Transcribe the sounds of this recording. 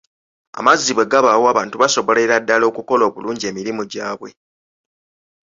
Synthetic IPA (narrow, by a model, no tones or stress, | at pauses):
a̰mazːiβwe̞ɡaβawoaβaːntuβaso̞βo̞leɾadːalo̞ːkuko̞lo̞ːβuluːɲɟie̞ːmiɾimuɟaːβwe̞